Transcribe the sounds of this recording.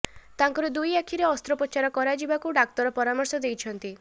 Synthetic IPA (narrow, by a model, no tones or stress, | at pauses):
t̪aŋkɔɾed̪ujakʰiɾeɔst̪ɾɔpɔt͡ʃaɾɔkɔɾad͡ʒibakuɖak̚t̪ɔɾɔpɔɾamɔɾsɔd̪ejt͡ʃʰɔnt̪i